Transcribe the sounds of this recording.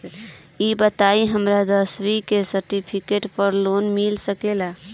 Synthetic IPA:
ibət̪aiɦəmɾad̪əsʋikesəɾʈipʰikeʈpəɾlonmilsəkela

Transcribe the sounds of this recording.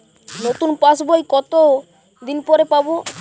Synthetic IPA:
not̪unpasbojkɔt̪o | d̪inpɔɾepabo

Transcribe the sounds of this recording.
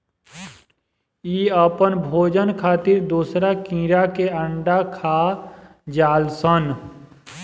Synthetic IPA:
iːəpənbʱoːd͡ʒənkʰaːt̪ɪɾd̪uːsɾakĩːɾakeəɳɖakʰaː | d͡ʒaːlsən

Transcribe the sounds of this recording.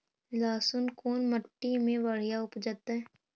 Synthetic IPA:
laːsʊnkoːnməʈːimẽʋɐɽ̤ijaʊpd͡ʒaːt̪aɦɛː

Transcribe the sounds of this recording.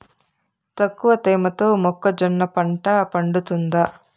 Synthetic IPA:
t̪ɐkːuʋɐt̪eːmɐt̪oːmɔkːɐd͡ʒɐnːɐpɐɳʈɐpɐɳɖut̪und̪a

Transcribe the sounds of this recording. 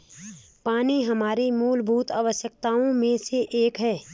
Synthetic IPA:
paːniɦɐmaːɾimuːlbʱuːt̪aːʋəʃjək̚t̪aːõmẽseʔeːkɦɛː

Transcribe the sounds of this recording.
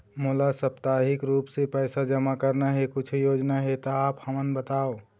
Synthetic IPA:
molasəpt̪aɦɪkɾuːpsepɛːsad͡ʒəmakəɾnaɦekʊt͡ʃʰjoːd͡ʒnaɦet̪ɔaːphəmənbət̪ao

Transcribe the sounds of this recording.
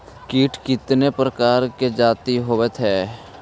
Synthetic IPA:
kiːʈʰkɪt̪nepɾəkaːɾked͡ʒaːt̪iɦoʋət̪ʰɦɛː

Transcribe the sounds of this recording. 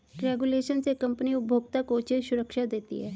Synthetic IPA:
kɾɛːɡuleːʃənsekɐ̃mpəniʊbʱoːɡt̪akot͡ʃɪʃʊɾəkʃad̪eːt̪ḭɦɛː

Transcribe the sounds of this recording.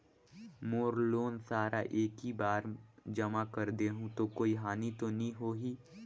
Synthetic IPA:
moːɾloːnsaːɾʔa̰ʔeːkɦibaːɾd͡ʒɐmakəɾd̪eɦũt̪okoːiɦaːnit̪onɐĩɦoːɦiː

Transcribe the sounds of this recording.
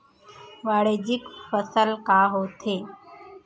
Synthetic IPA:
ʋaɽed͡ʑikfəsəlkaɦot̪ʰeː

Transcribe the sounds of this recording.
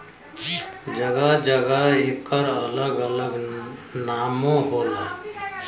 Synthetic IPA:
d͡ʒəɡad͡ʒəɡaɪkːəɾələɡələɡnaːmõɦoːla

